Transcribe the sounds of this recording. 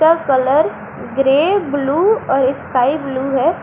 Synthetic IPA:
akələɾ | ɡɾeːbluːɔːɾɪskaːibluːɦɛː

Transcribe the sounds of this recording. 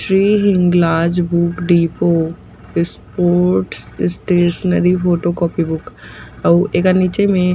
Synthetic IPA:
ʃɾiːɦɪ̃ŋɡlaːd͡ʒbukɖiːpo | spoːɾɾʈsɪsʈeːʃnəɾipʰoːʈokɔːpibʊkɐekaniːt͡ʃemẽ

